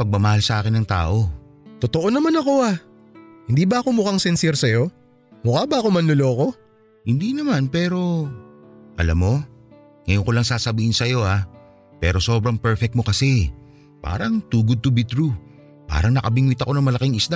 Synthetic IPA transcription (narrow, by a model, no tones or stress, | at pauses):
pɐɡ̚mɐmɐhalsɐʔaːkɪnːɐŋt̪a̰ːʔo̞t̪ot̪o̞ʔonɐmanɐko̞a | hɪnd̪iːbɐʔɐko̞mʊkaŋsɛnsɛɾsɐjo̞ | mʊkabɐɐkomɐnlʊloːko̞ | hɪnd̪inɐmanpɛːɾo̞ | ʔɐlamːo̞ | ŋɐjonkolɐŋsaːsɐbiːhɪnsɐjo̞ʔa | pɛːɾo̞so̞ːbɾɐŋpɛɹfɛk̚t̪mo̞kɐsɛ | pa̰ːɾɐŋt̪uːɡʊd̪̚t̪ʊbit̪ɾu | pa̰ːɾɐŋnɐkɐbɪŋwɪt̪ɐko̞nɐŋmɐlɐkiŋɪsd̪a